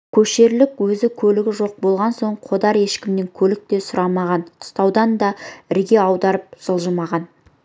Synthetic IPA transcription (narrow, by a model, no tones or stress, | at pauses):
kʲʰɵʃe̞ɾlɪkwɵzɪkʲʰɵlɪɡʲɪʒo̞q̚bo̞lˠʁɑnso̞ɴqʰo̞d̪ɑɾe̞ʃkʲɪmne̞ŋkʲʰɵlɪk̚t̪e̞sʊɾɑmɑʁɑnqʰʊ̥st̪ɑwd̪ɑnd̪ɑɪɾɡʲe̞ɑwd̪ɑɾəp̚ʒ̥əlˠʒəmɑʁɑn